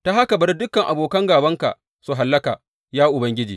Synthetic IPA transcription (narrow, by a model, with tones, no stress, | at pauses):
ta˦ɦa˦ka˨bɐ˦ɽdʊ˦kɐ˨ŋʔa˨boː˨kɐ˦ŋɡaː˨bɐ˦ŋka̰˨ | su˨ɦa˨lːɐ˦ka̰˨ | jaː˦ʔʊ˨bɐ˦ŋɡʲɪ˦d͡ʒḭː˨